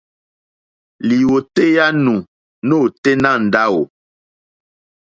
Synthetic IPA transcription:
li˨wo˨te˦ja˦nũ˨ | no˦˨te˦nã˦˨n̩˨da˦wo˨

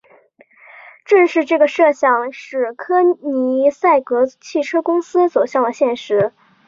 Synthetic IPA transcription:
ʈ͡ʂɤ˥˧ŋʂɻ̩˥˧ʈ͡ʂɤ˥˩ɡə˩ʂɤ˥˧ɕjɑ˥˧ŋʂɻ̩˥˩kʰɤ˥ni˧˥sa˥˩ɪkɤ˧˥t͡ɕʰi˥˩ʈ͡ʂʰɤ˥kʊ˥ŋsɹ̩˥swɔ˨˩ɕjɑ˥˩ŋd̪ə˩ɕjɛ˥˩nʂɻ̩˧˥

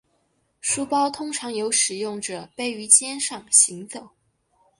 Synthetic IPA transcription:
ʂu˥pɑ˥ʊt̪ʰʊ˥ŋʈ͡ʂʰɑ˧˥ŋjo˧˥ʊʂɻ̩˨˩jʊ˥˩ŋʈ͡ʂə˩pe˥˩ɪy˧˥t͡ɕjɛ˥nʂɑ˥˨˩ŋɕi˧˥ŋt͡so˨˩˦ʊ

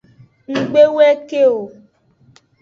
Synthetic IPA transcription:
ŋ͡m̩˨ɡ͡be˦wɛ˦ke˦o˨

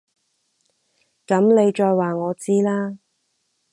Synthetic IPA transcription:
kɐ˨˥mne˨˧jt͡ʃɔː˧jwaː˨ŋɔː˨˧t͡siː˥laː˥

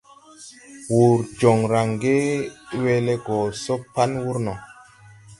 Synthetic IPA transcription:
wu˨ɾd͡ʒɔ˨ŋɾa˨ŋɡe˦we˦le˦ɡɔ˨so˦pa˦nwu˦ɾnɔ˨

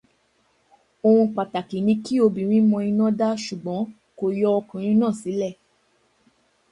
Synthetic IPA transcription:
o˧hũ˧k͡pa˨ta˨ki˨nĩ˧ki˦o˧bi˨ɾ̃ĩ˦mɔ̃˧ĩ˧nɔ̃˦da˦ʃu˨ɡ͡bɔ̃˨˦ | ko˨jɔ˧ɔ˧kɔ̃˨ɾ̃ĩ˧˦nã˦˨si˨˦lɛ˦˨

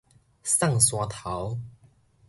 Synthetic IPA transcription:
sa˥˨ŋswa˧t̪ʰa˨˦w

